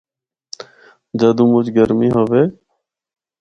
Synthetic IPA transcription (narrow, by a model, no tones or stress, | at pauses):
d͡ʒəd̪ũːmʊt͡ʃɡəɾmiːɦoːʋeː